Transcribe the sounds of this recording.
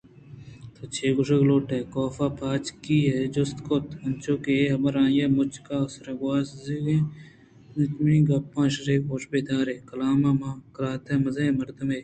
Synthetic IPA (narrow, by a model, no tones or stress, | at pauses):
t̪ʰot͡ʃʰeːɡʊʂɐɡloːʈeːkoːfaːpʰaːt͡ʃkiːɦed͡ʒost̪kot̪ɐnt͡ʃoːkeɦɐmɐɾãːjeːmʊt͡ʃkaːʊsɾɐɡwaːsziɡẽ | nɪt͡ʃminĩːɡɐpːãːʃɾeːkoːʃbeːd̪aːɾeːkɐlaːmamakɾaːt̪ʰeːmɐzaẽmɐɾd̪ɐmeː